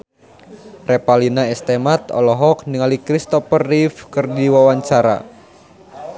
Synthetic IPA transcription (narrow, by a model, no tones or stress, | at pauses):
rɛpalinaɛst̪ɛmat̪ɔ̰lɔɦɔk̚niŋalikɾist̪ɔpərːifkɨrdiwawaɲt͡ʃaɾa̰